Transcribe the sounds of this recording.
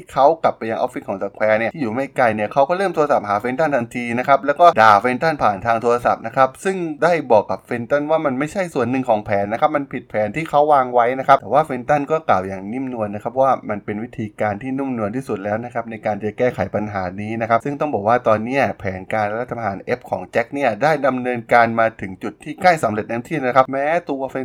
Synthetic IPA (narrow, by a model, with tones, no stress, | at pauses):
kʰa˦˥wka˨˩pːa˧jːa˧ŋʔɔ̰˦˥pfʰi˦˥t̚kʰɔː˩˦ŋsa˨˧˩kʰwɛː˧ni˥˩ɐiː˥˩juː˨˩ma˥˩jka˧jni˥˩ɐkʰa˦˥wkɔː˥˩ɾɤː˥˩mt̪ʰu˧a˧sa˨˩p̚haː˨˩˦fe˧nt̪a˥˩nt̪ʰa˧nt̪ʰiː˧na˦˥kʰa˦˥p̚lɛː˦˥wkɔː˥˩daː˧˩fe˧nt̪a˥˩npʰaː˨˩nt̪ʰaː˧ŋt̪ʰu˧ɾa˧sa̰˨˩p̚na˦˥kʰa˦˥p̚sɯ˥˩ŋdaː˥˩jbɔː˨˩kːa˨˩p̚fe˧nt̪a˥˩nwaː˥˩ma˧nma˥˩jt͡ɕʰa˥˩jsu˨˩ənːɯ˨˧ŋkʰɔː˩˦ŋpʰɛː˨˩˦nːa˦˥kʰa˦˥p̚ma˧npʰi˨˩t̪̚pʰɛː˨˦nt̪ʰiː˥˩kʰa˦˥wːaː˧ŋwa˦˥jna˦˥kʰa˦˥pt̪ɛː˨˩waː˥˩fe˧nt̪a˥˩nkɔː˥˩klaː˨˩wjaː˨˩ŋni˥˩mnu˧ənːa˦˥kʰa˦˥p̚waː˥˩ma˧npe˧nwi˦˥t̪ʰiː˧kaː˧nt̪ʰiː˥˩nu˥˩mnu˧ənt̪ʰiː˥˩su˨˩t̪̚lɛː˦˥wna˦˥kʰa˦˥p̚na˧jkaː˧nː˩t͡ɕa˩kɛː˥˩kʰa˩˦jpa˧nɦaː˩˦niː˦˥na˦˥kʰa˦˥p̚sɯ˥˩ŋt̪ɔ˥˩ŋbɔː˨˩k̚waː˥˩t̪ɔː˧nːi˦˥ɐpʰɛː˩˦nkaː˧n˦ɾt̪ʰːa˧pɦaː˩˦nʔe˦˥p̚kʰɔː˩˦ŋt͡ɕɛ˦˥k̚ni˥˩ɐdaː˥˩jda˧mnɤː˧nkaː˧nmaː˧t̪ʰɯ˩˦ŋt͡ɕu˨˩t̪ʰːiː˥˩kaː˥˩jsa˩˦mle˨˩t̪̚na˧˥˦t̪ʰiː˥˩na˦˥kʰa˦˥p̚mɛː˦˥t̪u˧ɐfe˧n